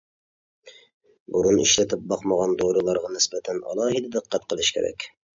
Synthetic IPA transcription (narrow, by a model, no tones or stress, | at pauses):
buɾunḭʃlɛt̪ʰɪp̚bɑqməʁɑnd̪oɾɨlˠɑɾʁɑnɪsbɛt̪ʰɛnʔɑ̰lˠɑːɦid̪ɛd̪əqʰːæt̪qʰəlˠɨʃkʲʰḛɾɛ̰kʲ